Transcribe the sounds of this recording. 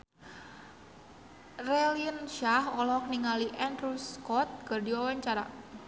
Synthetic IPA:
rɛlinʃahɔlɔk̚niŋaliʔɛndruskɔt̪̚kərdiwawaɲt͡ʃaɾa̰

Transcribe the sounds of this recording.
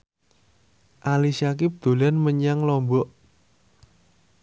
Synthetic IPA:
ʔalisak̬ip̚d̪̥ṳlanməɲaŋlɔmbɔʔ

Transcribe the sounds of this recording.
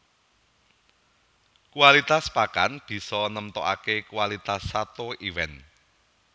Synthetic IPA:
kualit̪aspakanb̥i̤sɔnəmt̪ɔʔakekuwalit̪asːat̪oiwɛn

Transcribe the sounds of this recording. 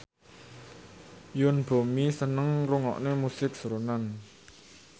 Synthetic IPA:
jʊnb̥o̤misənəŋruŋɔ̰ʔnemusɪk̚sɾonan

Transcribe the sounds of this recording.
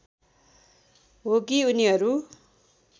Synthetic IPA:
ɦokiuniɦʌɾu

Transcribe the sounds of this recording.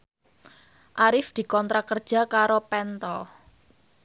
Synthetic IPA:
ʔaɾɪfd̪̥i̤kɔnt̪ɾakərd̥ʒ̥a̤kaɾopɛnt̪ɔ

